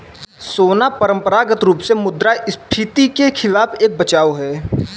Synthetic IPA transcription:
soːnapəɾə̃mpəɾaːɡət̪ɾuːpsemʊd̪ɾaʔɪspʰit̪ikekʰɪlaːpeːk̚bət͡ʃaːoɦɛː

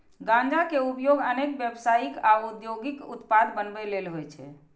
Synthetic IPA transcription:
ɡãnd͡ʒakeupjoɡənekbjəbsaikaud̪joɡikut̪pad̪bənbɛlelɦojt͡ʃʰɛ̰

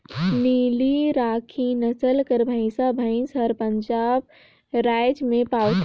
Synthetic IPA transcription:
niliɾaːkʰinəsəlkəɾbʱə̃ɪ̃sabʱãɪ̃nsəɾpəɲd͡ʒaːb̚ | ɾajd͡ʒmẽpaːwt̪

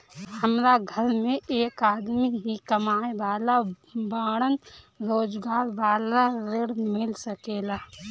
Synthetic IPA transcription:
həmɾaɡʱəɾmẽʔeːkaːd̪miɦikəmaːeʋaːla | baːɽən | ɾoːd͡ʒɡaːɾʋaːlaɾɪɽmɪlsəkeːlaː

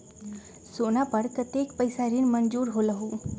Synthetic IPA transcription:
sonapəɾkət̪ekpəjsaɾiːnmənd͡zuːɾɦoləɦu

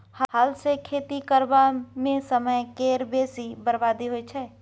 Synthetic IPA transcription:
hhalsekʰeːt̪ikəɾbamẽsəməjkeːɾbeːsibəɾbaːd̪iɦoit͡ʃʰɛː

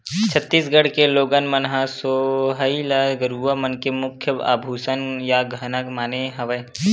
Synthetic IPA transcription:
t͡ʃʰət̪ːiːsɡəɽkeloːɡənmənɦasoɦəiləɡəɾuʋəmənkemʊkʰjəa̰ːbʱuːsənjaɡʱənəkmaːneɦɐʋə

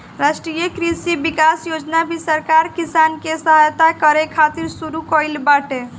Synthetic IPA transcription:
ɾasʈɾijəkɾisibikasjod͡ʒnabʱisəɾkaɾkisankesəɦajt̪akəɾekʰat̪iɾsuɾukɔjlbaʈe

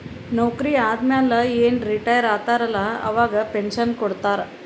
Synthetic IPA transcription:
nowkɾiːad̪mjãlajenɾiʈajəɾat̪aɾlaə̰ʋaɡəpenɕənkoɽt̪aɾ

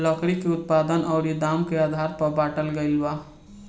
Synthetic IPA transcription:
ləkɾikeut̪̚pad̪ənʔəʊɾid̪amkead̪ʱaɾpəbaʈəlɡəjlba

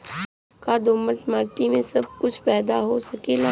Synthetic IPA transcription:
kad̪oːməʈmaːɾʈimẽsɐb̚kʊt͡ʃʰpɛːd̪aɦosɐkela

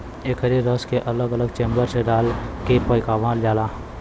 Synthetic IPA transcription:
eːkʰəɾiɾəskeʔɐləɡələɡt͡ʃẽːmbəɾseɖaːlkepəjkaːʋãljaːlaː

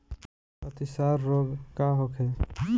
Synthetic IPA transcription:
ɐt̪isaːɾːoːɡkaɦokʰe

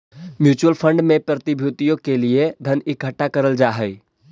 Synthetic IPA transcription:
mjuːt͡ʃuəlpʰə̃ɳɖmẽpɾət̪ɪbʱjut̪ijõkelied̪ʱənɪkɦəʈːakəɾəld͡ʒaːɦəɪ

